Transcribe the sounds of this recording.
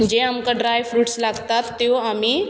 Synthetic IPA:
d͡ʑeamkaɖɾajfɾuːʈslaɡt̪at̪ːjoami

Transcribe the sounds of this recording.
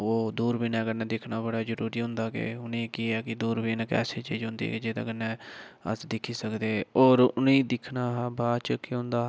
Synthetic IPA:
oːd̪uːɾbiːnɛ̃ːɡəɾñːd̪ɪkʰnaːbəɽaːd͡ʒəɾuːɾiːɦʊ̃nd̪aːkḛːʊnẽːkiɛːkɪd̪uːɾbiːnːkɛ̰ːseːt͡ʃiːd͡ʒɦʊ̃nd̪ḭked͡ʒeːd̪ə̰ɡəɾnɛːə̰sd̪ɪkʰiːsəkd̪eːɔːɾʊnẽːd̪ɪkʰnaːɦbaːt͡ʃəkiɦʊ̃nd̪aː

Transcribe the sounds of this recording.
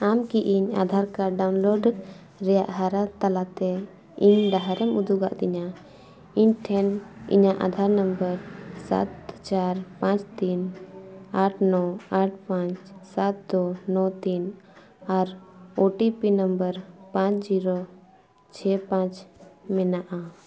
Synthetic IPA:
amkiʔiɲa̰d̪ʱaɾkaɖawnloɖ | ɾɛja̰ʔɦaɾat̪alat̪ɛ | iɲɖaɦaɾɛmud̪uɡaʔd̪ɛɲa | iɲʈʰɛnḭɲaʔa̰d̪ʱaɾnəmbəɾsa̰t̪t͡ʃaɾpãt͡ʃt̪in | aʈʰnɔaʈ̚ʰpãt͡ʃsat̪̚d̪ɔnɔ̃t̪in | aɾoʈipinəmbəɾpãt͡ʃd͡ʒiɾɔ | t͡ʃʰɛpãt͡ʃmɛnaʔa

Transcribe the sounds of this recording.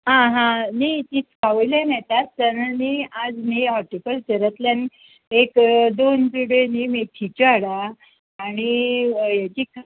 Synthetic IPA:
ɦãɦãnit̪it͡skaʋəjlanɛt̪at̪t̪ənaniad͡zniɔʈipəlsəɾət̪ljan | ekd̪ont͡suɽenimeʈ̪ʰit͡ɕaɽaː | ɽ̃ijat͡ɕiːk

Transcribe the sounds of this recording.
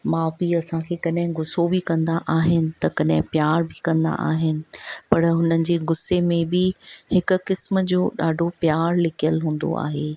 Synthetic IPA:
mãːbɪiɐsãkʰeːkɐɗɦɪ̃ɡʊsobɪkɐ̃nd̪aʔaːɦɪnɪ̆t̪ɐkɐɗɦɪ̃pjaːɾbɪkɐ̃nd̪a̰ʔa̰ːɦɪnɪ̆pɐɾɦʊnənɪ̆d͡ʑeːɡʊsemẽbɪhɪkʊ̆kɪsmə̆d͡ʑoːɗaːɖʱopjaːɾlɪkʰijəlɦũːn̆d̪o̰a̰ːɦeː

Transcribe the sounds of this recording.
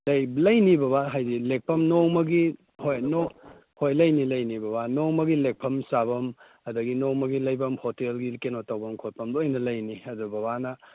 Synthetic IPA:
lɐjblɐjnibɐbaɦajdilek̚pʰɐmnowmɐɡi | hojno | hojlɐjnilɐjnibɐbanowmɐɡilek̚pʰɐmsabɐm | ɐdɐɡinowmɐɡilɐjbɐmhotelɡikenotɐwbɐmkʰot̚pʰɐmlojnɐlɐjniɐdubɐbanɐ

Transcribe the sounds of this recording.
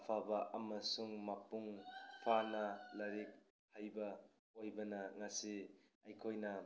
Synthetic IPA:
pʰabɐʔɐmɐsuŋmapuŋpʰanɐlaɾik̚ | hajbɐ | ojbɐnɐŋasiajkʰojnɐ

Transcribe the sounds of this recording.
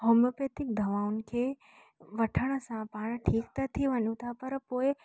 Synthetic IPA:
ɦoməpet̪ik̚d̪ʱəʋaunkʰe | ʋəʈʰəɳ̃sãpaːɳ̃ʈʰiːkt̪ət̪ʰiʋənũt̪ʰapəɾpoe

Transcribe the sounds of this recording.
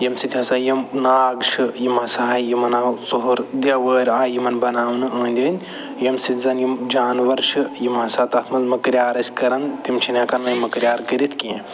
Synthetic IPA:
jɐmsit̪ʲɐsaːjɐmnaːɡʃʰɨjimasaːjimɐnasoɦoɾd̪ʲɐʋəːɾʲaːjimɐnbɐnaːwnɨɐːnʲd̪ʲɐːnʲ | jɐmsizɐnjimd͡ʒaːnʋɐɾʃʰɨjimɐsaːt̪ɐt̪ʰmɐlmɐkɾjaːɾɐsʲkɐɾɐnt̪imt͡ʃʰinʲɐkɐnɐmɐkɾʲjaːɾkəɾit̪ʰkiẽ

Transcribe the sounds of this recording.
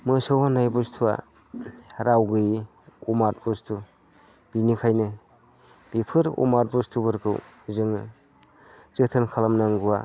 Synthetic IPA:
mɯsɯwanajbɔstʰua̰ | ɾawɡɯj | umaɾbɔstʰu | b̥inikʰajnɯ | b̥ipʰɯɾṵmaɾ̚bɔstʰubɯɾkʰɯ̰wzɯŋ | z̥ɯtʰɯnkʰalamnaŋɡuwa̰

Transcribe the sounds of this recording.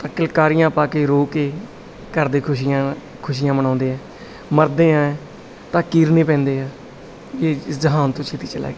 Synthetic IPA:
t̪ãːkɪlkaːɾijãːpaːkeːɾoːkeː | kəɾd̪eːkʰʊʃiã | kʰʊʃ̬iːjãːmənãːnd̪eːɛː | məɾd̪eːãːɛː | t̪ãːkiːɾnĩːpɛ̃ːnd̪eːɛː | eːɪszəɦaːnt̪õːt͡ʃʰeːt̪iːt͡ʃəlɛ̰ːɡeː

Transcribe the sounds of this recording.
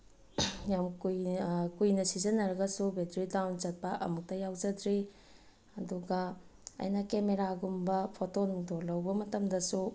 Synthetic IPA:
jamkujkujnɐsizɐnːɐɾɐɡɐsubetɾidawnd͡ʒɐt̚pɐʔɐ̰muk̚tɐjawd͡ʒɐdɾi | ɐduɡɐ̰ːjnɐkemeɾaɡumbɐpʰotondolɐwbɐmɐtɐmdɐsu

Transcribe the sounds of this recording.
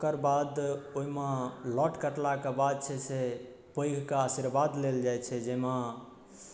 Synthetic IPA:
kəɾbad̪oimelɔʈkəʈlakebad̪̚t͡ʃʰɛse | pəjɡʱkaasiɾbad̪leld͡ʒajt͡ʃʰɛd͡ʒema

